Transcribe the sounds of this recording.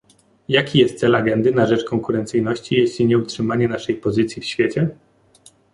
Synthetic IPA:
jakʲijɛst̪t̪sɛlaɡɛnd̪ɘnaʐɛt͡ʂkɔŋkuɾɛnt̪sɘjnɔɕt͡ɕijeɕlʲiɲɛutʂɘmaɲɛnaʂɛjpɔzɘt̪sʲjifɕfʲjet͡ɕɛ

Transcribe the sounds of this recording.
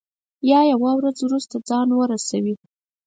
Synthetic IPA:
jɑjawawɾad͡zwɾust̪ad͡zɑnwəɾasawi

